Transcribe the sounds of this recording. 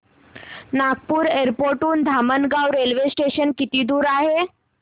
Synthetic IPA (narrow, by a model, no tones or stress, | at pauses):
naɡ̚puːɾeɾpoɾʈuːnd̪ʱamənɡawɾelʋesʈeɕənkit̪iːd̪uːɾaɦe